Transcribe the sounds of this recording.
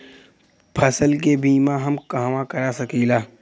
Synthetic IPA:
pʰɐsəlk̬ebʱiːmãɦɐmkaɦʋãkɐɾasɐkiːlaː

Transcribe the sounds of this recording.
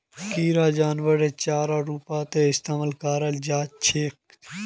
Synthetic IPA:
kiːɾaːd͡ʒaːnʋəɾeːt͡ʃaːɾaːɾuːpaːt̪eɪst̪aːməlkaːɾəld͡ʒaːt͡ʃʰeːk̚

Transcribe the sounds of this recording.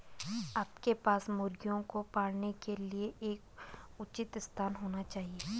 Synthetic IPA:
aːpkepaːsmʊɾɡijõkopaːɽnekelieʔeːkʊt͡ʃɪt̪ɪst̪ʰaːnɦoːnat͡ʃaːɦieː

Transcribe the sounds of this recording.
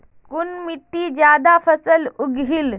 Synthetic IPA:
kunmit̪ːid͡ʑjad̪afəsəluɡʱil

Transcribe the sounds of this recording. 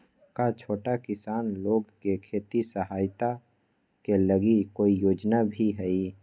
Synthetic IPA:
kat͡ʃʰoːʈakɪsaːnloːɡkekʰeːt̪isəɦaːjt̪a | keləɡikoːijoːd͡ʒnabʱiɦɛi

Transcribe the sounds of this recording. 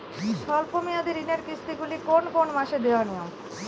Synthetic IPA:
ʃʰɔlpomijad̪eɾineɾkɾist̪iɡulikonkonmaʃed̪eanijom

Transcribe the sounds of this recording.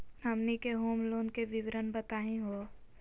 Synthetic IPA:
nəmnikeɦoːmloːnkeʋɪʋɾənbət̪aːɦĩɦo

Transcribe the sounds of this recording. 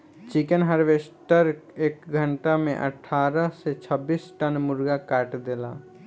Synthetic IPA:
t͡ʃikənɦəɾʋeːsʈəɾeːkɡʱə̃ɳʈamḛ̃ʔə̰ʈʰaːɾəset͡ʃʰəbiːsʈənmʊɾɡakaːʈd̪eːla̰ː

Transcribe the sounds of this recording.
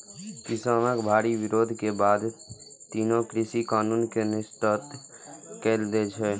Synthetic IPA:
kɪsəːməkbʱaːɾiʋɪɾoːd̪ʱkebaːd̪t̪iːnõkɾɪsikaːnuːnkenɪst̪ət̪keːld̪eːt͡ʃʰeː

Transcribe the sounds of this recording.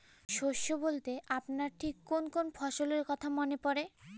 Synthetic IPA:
ʃoʃːobolt̪eʔapnaɾʈʰikːonkonfʰɔʃoleɾkɔt̪ʰamonepɔɾe

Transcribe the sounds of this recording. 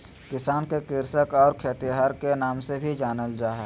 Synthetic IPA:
kɪsaːnkekɪɾsəkɔːɾkʰeːt̪iɦaːɾkenaːmsebʱid͡ʒaːnəld͡ʒaːɦɛ

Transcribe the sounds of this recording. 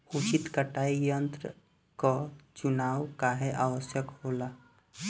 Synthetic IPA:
ut͡ʃit̪kəʈaijənt̪ɾə | kɔt͡ʃunaːwkaɦeʔawəsjəkɦola

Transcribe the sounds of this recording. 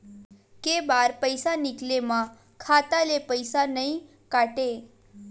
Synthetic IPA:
kebaɾpəjsanɪklemã | kʰat̪alepəjsanəĩ | kaʈe

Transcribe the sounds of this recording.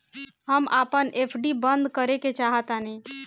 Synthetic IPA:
ɦəmʔaːpənʔepʰɖibə̃nd̪kəɾeket͡ʃaɦət̪ane

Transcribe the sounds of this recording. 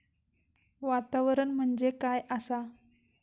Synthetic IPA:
ʋat̪aʋɾəɳm̤əɳd͡zekajəsa

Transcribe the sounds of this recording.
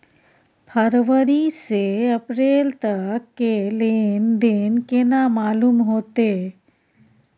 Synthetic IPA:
pʰəɾʋəɾiseɐpɾeːlt̪əkːelend̪eːnkenamaːluːmɦoːt̪e

